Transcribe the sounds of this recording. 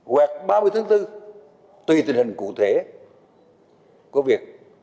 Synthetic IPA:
ɣwɛː˨˩k̚ɓaː˧m˧ɨ˧əjt̪ʰaː˨˦t̪ɨ˧ | t̪wi˨˩t̪ï˨˩ŋ̟hï˨˩ŋ̟kṵ˧˨t̪ʰe˧˩˦ | ku˧˩˦vi˨˩ək̚

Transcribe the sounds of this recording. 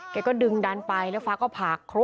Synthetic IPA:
kɛː˧˩kɔː˥˩dɯ˧ŋda˧npa˧jlɛ˦˥wfaː˦˥kɔː˥˩pʰaː˨˩kʰːɾu˦˥

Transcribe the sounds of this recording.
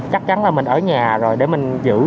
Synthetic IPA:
t͡ɕa˦˥k̚t͡ɕa˨˦nlaː˨˩mï˨˩ŋ̟ʔəː˧˩ɲaː˨˩zo˨˩jɗe˧˩mï˨˩ŋ̟zɨ̰˧˥

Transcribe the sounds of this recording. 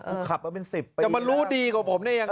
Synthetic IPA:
kʰa˨˩p̚ːa˦˩pe˧nsi˨˩p̚ːa˨˩ma˧nɾuː˦˥diː˧kwaː˨˩pʰo˩˦mnɛː˥˩˨ja˧

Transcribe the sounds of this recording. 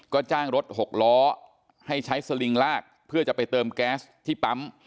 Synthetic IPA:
kɔː˥˩t͡ɕaː˥˩ŋɾo˦˥t̪̚ho˨˩k̚lɔː˦˥ | ha˥˩jt͡ɕʰa˦˥jsa˧li˧ŋlaː˥˩k̚pʰɯ˥˩ɐt͡ɕa˨˩pa˧jt̪ɤː˧mkɛː˦˥st̪ʰiː˥˩pa˦˥m

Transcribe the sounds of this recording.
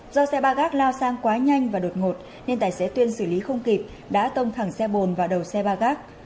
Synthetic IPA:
zɔ˧sɛ˧ɓaː˧ɣaː˦˥k̚laː˧wsaː˧ŋkwaː˨˦ɲa˧jŋ̟vaː˨˩ɗo˨˩t̚ŋo˨˩t̚ | ne˧nt̪aː˧˩jse˨˦t̪wi˧ənsɨ˧˩li˨˦xə˧wŋ͡mki˨˩p̚ | ɗa̰ː˧˥t̪ə˧wŋ͡mt̪ʰa˧˩ŋsɛ˧ɓo˨˩nvaː˨˩ɗə˨˩wsɛ˧ɓaː˧ɣaː˦˥k̚

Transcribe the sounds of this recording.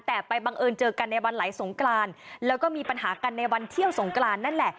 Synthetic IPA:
t̪ɛː˨˩pa˧jba˧ŋʔɤː˧nt͡ɕɤː˧ka˧nːa˧jwa˧nlaː˩˦jso˩˦ŋklaː˧nlɛː˦˥wkɔː˥˩miː˧pa˧nɦaː˩˦ka˧nːa˧jwa˧nt̪ʰi˥˩əwso˩˦ŋklaː˧nːa˥˩nlɛ˨˩ʔ

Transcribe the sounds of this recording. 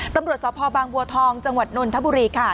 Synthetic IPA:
t̪a˧mɾu˨ət̪̚sɔː˨˦pʰɔː˧baː˧ŋbu˧ət̪ʰɔː˧ŋt͡ɕa˧ŋwa˨˩t̪̚no˧nt̪ʰa˦˥buː˧ɾiː˧kʰa˦˥˩

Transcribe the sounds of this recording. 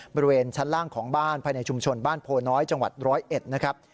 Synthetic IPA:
bɔː˧ɾi˧˥weː˧nt͡ɕʰa˦˥nlaː˥˩ŋkʰɔː˩˦ŋbaː˥˩npʰaː˧jna˧jt͡ɕʰu˧mt͡ɕʰo˧nbaː˥˩npʰoː˧nɔː˦˥jt͡ɕa˧ŋwa̰˨˩t̪̚ɾɔː˦˥jʔe˨˩t̪̚na˦˥kʰɾa˦˥p̚

